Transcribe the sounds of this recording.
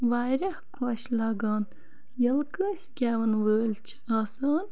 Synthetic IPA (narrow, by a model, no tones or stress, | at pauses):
ʋaːjɾɐhkʰoːɕlɐːɡaːn | jɐlkəːsʲɡʲɛːʋɐnʋəːlt͡ʃʰaːsaːn